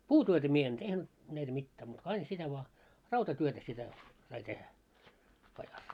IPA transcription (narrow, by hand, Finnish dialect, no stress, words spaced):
puːtyøtæ mie en tehnyt næitæ mitːæː muːt ko ɑin sitæ ʋŏɑ rɑutɑtyøtæ sitæ sɑi tehæ pɑjɑs